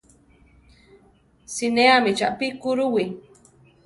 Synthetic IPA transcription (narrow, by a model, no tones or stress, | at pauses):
sineamit͡ʃa̰ʔpikuɾuwi